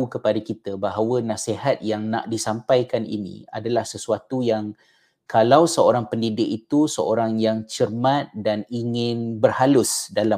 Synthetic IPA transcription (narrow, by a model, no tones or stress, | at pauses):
ukəpadakit̪abaɦawənãsehat̪̚jaŋna̰ʔdisampajkanḭnḭ̃a̰dalahsəsuat̪ujaŋ | kalawsəoɾaŋpəndidɪkit̪usəoɾaŋjaŋt͡ʃərmãt̪̚daniŋɪnbərhalʊsdala